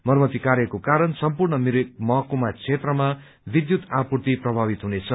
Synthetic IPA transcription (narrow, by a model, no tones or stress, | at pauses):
mʌrmʌt̪ikaɾjʌkokaɾʌnsʌmpurɳʌmiɾkmʌɦʌkumat͡sʰet̪rʌma | bid̪jut̪apurt̪iprʌbʱabit̪ɦunet͡sʰʌ